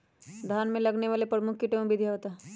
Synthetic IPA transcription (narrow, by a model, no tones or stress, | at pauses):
d̪ʱaːnmẽlɐɡneʋaːlepɾəmʊkʰkiʈem̃bʱid̪ʱjaot̪aː